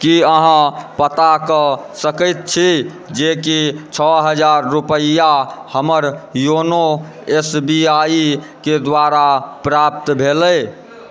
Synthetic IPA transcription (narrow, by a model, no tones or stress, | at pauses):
kiəɦãpət̪akəsəkəjt̪̚t͡ʃʰi | d͡ʒekit͡ʃʰɔɦəd͡ʒaɾːupəahəməɾjono | esbiai | ked̪waɾapɾap̚t̪bʱelə